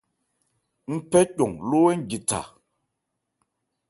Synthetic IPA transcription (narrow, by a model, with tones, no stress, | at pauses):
m̩˦pɛ˦co˨ŋlo˦wɛ˦n̩˦˨d͡ʒi˨ta̰˨